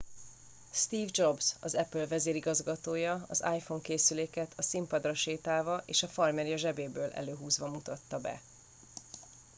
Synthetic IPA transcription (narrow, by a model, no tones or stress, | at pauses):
st̪iːvd͡ʒo̞bz̥ɒzɛpølvɛzeːɾiɡɒzɡɒt̪oːjɒɒ̰za̰ːjfo̞ŋkeːsyleːkɛt̪ʰɒsimpɒd̪rɒʃeːt̪aːvɒʔḛːʃɒfɒrmɛɾjɒʒɛbeːbøːlʔɛ̰løːɦuːzvɒmut̪ɒt̪ːɒbɛ̰